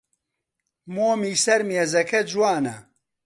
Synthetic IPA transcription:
moːmiːsɐɾmeːzɐkʰɐd͡ʒwaːnɐ̰

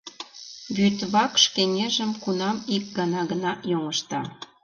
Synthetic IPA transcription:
βyt̪βɑkʃkeŋeʒə̆mkunɑmik̚ɡɑnɑɣənɑjoŋəʃt̪ɑ

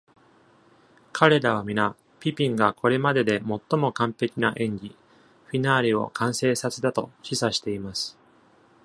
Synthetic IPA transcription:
kʰaɾe̞d̪aβ̞amʲina | pʲipʲĩŋɡakʰo̞ɾe̞mad̪e̞d̪e̞mo̞t̪ːo̞mo̞kãmpe̞kʲinaʔẽ̞ɲɡʲi | ɸʲinaːɾʲio̞̰kʰãɰ̃se̞ːsat͡sɨd̪at̪o̞̰ɕisaɕi̥t̪e̞imasɨ̥

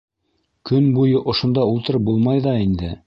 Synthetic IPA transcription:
kɵnbujɤʔŏʃŏnd̪ɑulˠt̪ɤ̆ɾɤp̚bulˠmɑjðɑind̪ɘ

